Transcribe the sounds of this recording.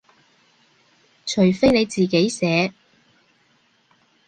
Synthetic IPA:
t͡ʃʰɵ˨˩ɥfe˥jne˨˧jt͡siː˨ke˨˥jsɛː˨˧

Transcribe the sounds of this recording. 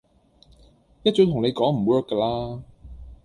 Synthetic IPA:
jɐ˥t̚t͡ʃɵː˨˥t̪ʰŋle˨˧jkɔː˨˥ŋm̩˨˩wɜː˥kːə˧laː˥

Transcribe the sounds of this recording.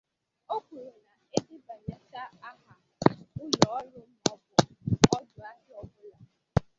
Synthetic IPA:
o˦kʷu˨ɾe˨na˨e˦dɪ˦ba˨ɲa˨ta˦a˦ɦa˨ | ʊ˦jɔ˨ɔ˦lʊ˦m̩˦m˦ɔ˦bʊ˨ɔ˦dʊ˨a˦ɦɪ˦ɔ˨bʊ˦la˨

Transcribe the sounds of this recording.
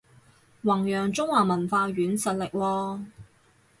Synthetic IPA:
wɐ˨˩ŋjœː˨˩ŋt͡sʊ˥ŋwaː˨˩mɐ˨˩nfaː˧ɥyː˨˥nsɐ˨t̚lɪ˨k̚wɔː˧

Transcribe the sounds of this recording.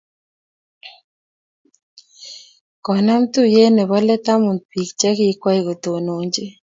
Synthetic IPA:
kɔ˨na˦mt̪u˦je˦ne˨bɔ˦lɛ˦t̪a˦mu˨nd̪̚pi˨k̚t͡ʃɛ˦kɪ˦kwa˦i˦ɡo˨t̪o˨no˨ɲd͡ʒe˦

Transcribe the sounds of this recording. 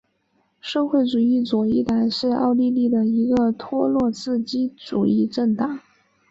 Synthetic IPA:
ʂɤ˥˧xwe˥˩ɪʈ͡ʂu˨˩i˥˩t͡swɔ˨˩i˥˩t̪a˧˥˦nʂɻ̩˥˧ɑ̰˥˧ʊli˥˧li˥˩d̪ə˩i˧˥ɡə˧t̪ʰwɔ˥lwɔ˥˧t͡sɹ̩˥˧t͡ɕi˥ʈ͡ʂṵ˨˩i˥˧ʈ͡ʂə˥˩ŋt̪ɑ˨˩˦

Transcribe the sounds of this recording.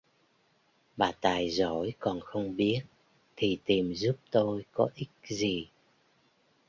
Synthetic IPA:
ɓaː˨˩t̪aː˨˩jzo̰˧˩˦jkɔ˨˩nxə˧wŋ͡mɓi˦˥ət̚ | t̪ʰi˨˩t̪i˨˩mzu˦˥p̚t̪o˧jkɔ˨˦ʔï˦˥k̚zi˨˩

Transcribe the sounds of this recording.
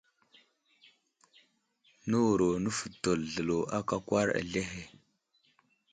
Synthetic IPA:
nə˦wu˨ɾo˨nə˦fə˨to˨lɮə˨lo˨a˦ka˦kʷwa˦ɾa̰˨ɮe˦ɦe˨

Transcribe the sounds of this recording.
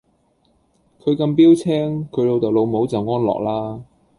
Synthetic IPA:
kʰɵ˨˧ɥkɐ˧mpiː˥wt͡sʰɛː˥ŋkʰɵ˨˧ɥlo˨˧wt͡sɐ˨˩wlo˨˧wmo˨˧˥wt͡sɐ˨wŋɔː˥nlɔ̰ː˨k̚laː˥

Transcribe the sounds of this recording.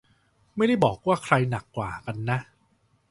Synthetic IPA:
ma˥˩jda˥˩jbɔː˨˩k̚waː˥˩kʰɾa˧jna˨˩kːwaː˨˩ka˧nːa˦˥ʔ

